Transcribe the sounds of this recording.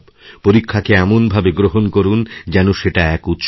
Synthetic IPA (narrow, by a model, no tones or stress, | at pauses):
b | poɾikʰːakeɛmonbʱabeɡɾoɦonkoɾund͡ʑɛnoʃeʈaɛkut̪ʃ